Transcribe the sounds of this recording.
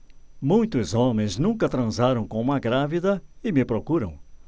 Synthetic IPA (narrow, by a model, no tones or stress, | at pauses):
mũj̃t̪ʊzomẽj̃znũŋkɐt̪ɾɐ̃zaɾɐ̃w̃kõumɐɡɾavid̪ɐɪmɪpɾokuɾɐ̰̃w̃